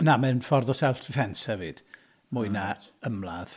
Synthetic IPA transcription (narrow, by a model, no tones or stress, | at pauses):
namɛnfɔrðɔsɛlˠtʰfɛnshɛvɨd̥ | mʊɨnaəmlˠað̥